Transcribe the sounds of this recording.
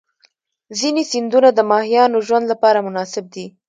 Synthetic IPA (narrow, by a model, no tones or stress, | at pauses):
zinesind̪unad̪əmɑhijɑnoʒwand̪lapɑɾamʊnɑsɪb̚d̪i